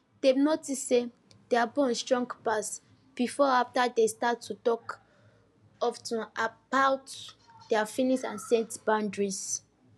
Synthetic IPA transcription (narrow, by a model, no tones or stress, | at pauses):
d̥enotisːe | d̥eabɔ̃nstɹɔ̃ŋɡpas | b̥ifɔaftadestatʰːutɔk | ɔftuabawt | deafĩniʃã̰nsɛ̃ntbãndɹis